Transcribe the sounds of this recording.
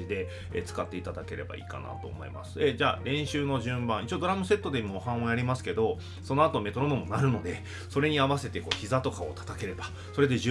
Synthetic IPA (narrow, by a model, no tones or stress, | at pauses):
id̪e̞ | ḛt͡sɨ̥kat̪ːe̞it̪ad̪ake̞ɾe̞̰ba̰ḭːka̰na̰t̪o̞̰ːmo̞̰ḭma̰sɨ̥ed͡ʑaːɾẽ̞ɰ̃ɕɨːno̞ʑɨ̃mbãɰ̃it͡ɕiod̪o̞ɾamɯ̟se̞t̪ːo̞d̪e̞imoːhãɰ̃ojaɾʲimasɨ̥ke̞d̪o̞ | so̞noat̪o̞me̞t̪o̞ɾonomo̞naɾɯ̟no̞d̪e̞ | so̞ɾe̞ɲ̟iaβase̞t̪e̞ko̞ːçizat̪o̞kao̞̰t̪ḁt̪ake̞ɾe̞ba | so̞ɾe̞d̪e̞ʑ